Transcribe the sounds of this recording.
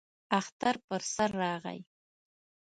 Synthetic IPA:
aχt̪aɾpəɾsaɾːɑːʁa̰j

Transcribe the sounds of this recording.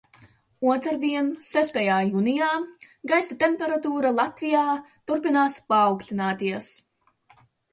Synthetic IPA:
uɔt̪ɾaɾd̪iɛnsæst̪ajaːjuːnijaːɡajsat̪empeɾat̪uːɾalˠat̪vijaːt̪uɾpinaːspaːwksʲlʲinaːt̪iɛs

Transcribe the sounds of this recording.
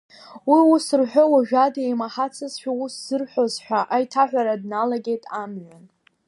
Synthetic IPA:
wiusɨrħʷᶣowaʒᶣadejmaħat͡sʰɨzʃᶣausz̥ɨrħʷozħʷᶣaʔajtʰaħᶣʷaɾadnalaɡʲe̞jtʼamʕʷᶣan

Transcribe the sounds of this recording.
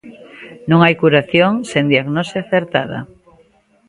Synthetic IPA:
nõŋajkuɾaθjoŋsend̪iaɣnoseaθeɾt̪a̰ð̞a̰

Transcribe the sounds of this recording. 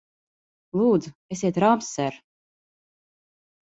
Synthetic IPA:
lˠuːd̪zuesʲiɛt̪ɾamsɛɾ

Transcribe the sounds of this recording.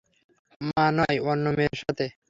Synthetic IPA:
manɔjɔnːomeɾʃat̪ʰe

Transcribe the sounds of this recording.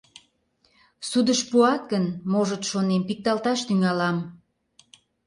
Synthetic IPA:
sud̪əʃpuɑt̪̚ɡənmoʒət̪ʃonempik̚t̪ɑlt̪ɑʃt̪yŋɑlɑm

